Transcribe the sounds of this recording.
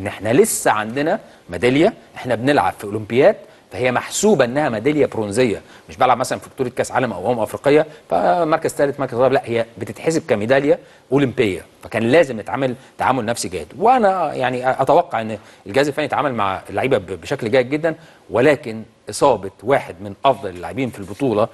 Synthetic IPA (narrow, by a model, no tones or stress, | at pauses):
ʔenːʔeħnælesːæʕand̪enæ | mæd̪æljæʔeħnæbenelʕa̰b̥fiʔolompejːæːt̪ | fæhejːæmaħsuːbæʔenːæhæmæd̪æljæbɾonzejːæmeʃbælʕabmæsælænfibt̪uːɾekæːsʕa̰ːlæmʔæ̰wʔoːmʔɑfɾiːqejːɑfæ̰mɑɾˤkæzt̪æːlet̪mɑɾˤkæzɑlblæʔhejːæbet̪et̪ħes̬b̚kæmed̪æljæ | ʔolimpejːæ̰fækæːnlæːzemnet̪ʕamælt̪ːaʕa̰ːmolnæfsiɡæ̰ːd̪weʔænæjaʕniʔæt̪æwɑqːɑʕʔenː | elɡæːzefæːnijet̪ʕaːmælma̰ʕlːaʕiːbæbbeʃæklɡæːjed̪̚ɡed̪ːæn | welæːken | ʔesˤɑːbet̪ˤwaːħed̪menʔɑfd̪ˤɑlelːa̰ʕebiːnfilbot̪ˤuːlɑ